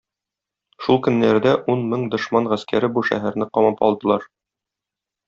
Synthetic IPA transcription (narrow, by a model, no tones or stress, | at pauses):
ʃulˠkɵ̆nːæɾd̪æʔunmɘɴd̪ŏʃmɑɴʁæskæɾɘbuʃæ̰ɦæɾnɘqɒmɑpɒ̰lˠd̪ɤ̆lˠɑɾ